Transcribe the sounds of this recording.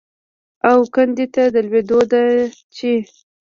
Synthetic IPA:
awkand̪it̪ad̪əlwed̪od̪at͡ʃi

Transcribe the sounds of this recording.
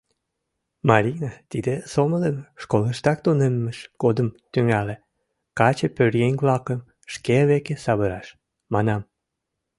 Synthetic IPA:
mɑɾʲinɑt̪id̪esomələnʃkoləʃt̪ɑk̚t̪unemːeʃɡ̥od̪əmt̪yŋæle | kɑt͡ɕepørjenʲβlɑkəm | ʃkeβekesɑβəɾɑʃ | mɑnɑm

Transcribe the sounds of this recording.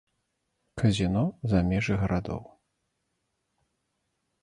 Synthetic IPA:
kɐzʲinɔzamʲɛʐɨɣɐɾʔad̪ɔ̰w

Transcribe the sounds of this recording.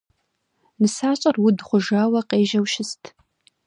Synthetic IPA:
nɨsaːɕʼɐrwʊdχʷʊʒaːwɐqeːʒɐwʃɪstʰ

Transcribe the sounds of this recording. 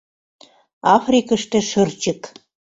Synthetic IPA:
ɑfrʲikəʃt̪ĕʃə̆rt͡ɕə̆k

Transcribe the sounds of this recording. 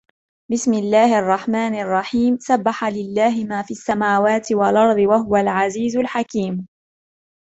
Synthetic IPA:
bɪsmɪlːaːhʔɑrˤːɑħmaːnɑrˤːɑħiːmsabːaħalɪlːaːɦɪmaːfiːasːamaːwaːt̪ɪwalʔɑɾˤd̪ˤɨwaɦʊwalʕaziːzʊlħakiːm

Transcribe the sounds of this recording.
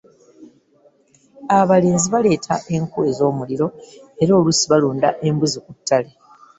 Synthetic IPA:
aβale̞ːnziβale̞ːtʰaʔe̞ŋkue̞zo̞ːmuliɾo̞e̞ɾo̞ːlusiβaluːndaʔe̞mbuzikutʰːale

